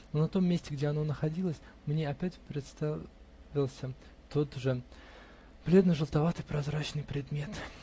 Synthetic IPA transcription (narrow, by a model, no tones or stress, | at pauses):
nonɐt̪o̞mʲːesʲtʲɪɡdʲeɐno̞nəxɐdʲilˠəsʲ | mnʲeɐpʲætʲpɾʲɪt̪st̪a | vʲɪlˠsʲə | t̪o̞t̪ʐɨ | b̥lʲe̞d̪nɨʐəlˠt̪ɐvat̪ɨjpɾɐzɾat͡ɕnɨjpɾʲɪd̪mʲe̞t̪